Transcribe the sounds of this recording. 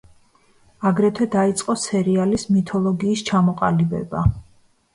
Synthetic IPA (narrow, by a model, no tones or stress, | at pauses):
aɡɾɛt̪ʰwɛd̪ait̪sʼqʼɔsɛɾialismit̪ʰɔlˠɔɡiːst͡ʃʰamɔqʼalibɛ̰ba̰